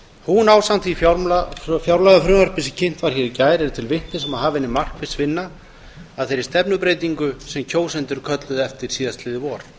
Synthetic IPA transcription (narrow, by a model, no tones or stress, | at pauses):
hunaːwsant̪ʰvifjaɾfjawɾlaɣafɾʏːmœɾ̥pɪsɪcʰɪn̥t̪vaɾ̥çɛɾɪcaːjɾɛɾʏt̪ʰɪlvɪn̥t̪ɪsɛmaðɦaːvɪnːɪmar̥kvɪðsvɪnːa | aðθejɾɪɾst̪ɛpnʏpɾeːjt̪̬iŋkʏsɛmcʰoːwsɛnt̪ʏɾkʰœt̪lʏðɛft̪ɪɾ̥siːðast̪lɪðɪvɔːɾ̥